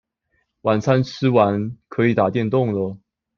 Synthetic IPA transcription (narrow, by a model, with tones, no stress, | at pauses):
wa˨˩nt͡sʰa˥nʈ͡ʂʰɻ̩˥wa˧˥nkʰɤ˧˥i˨˩t̪a˨˩t̪jɛ˥˧nt̪ʊ˥˩ŋlə˨˩